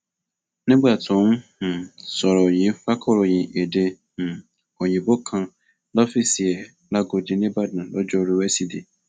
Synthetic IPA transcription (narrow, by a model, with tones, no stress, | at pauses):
nĩ˦ɡ͡ba˦˨tɔ̃˨˦wũ˦˨sɔ˨ɾɔ˨jĩ˨˦fa˦kʰɔ˦˨ɾo˨jĩ˨ʔe˨dẽ˧˨ | ɔ˨j̃ĩ˨bo˦kʰã˧ | lɔ˦fi˦˨si˨ɛ˨ | la˦ɡo˧dĩ˧nĩ˦ba˦˨dnã˨lɔ˦d͡ʒɔ˦˧ɾi˦wɛ˦si˦di˨